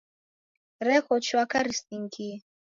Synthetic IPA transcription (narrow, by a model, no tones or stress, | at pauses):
ɾɛɣɔt͡ʃʰwakaɾist̪iŋki